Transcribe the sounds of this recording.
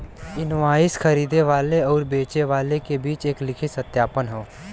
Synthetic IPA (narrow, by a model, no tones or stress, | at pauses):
ɪnʋaːɪsxʰɐɾiːd̪eʋaːleɔːɾbeːt͡ʃeʋaːlekebiːt͡ʃeːklɪkʰisət̪jaːpənɦoː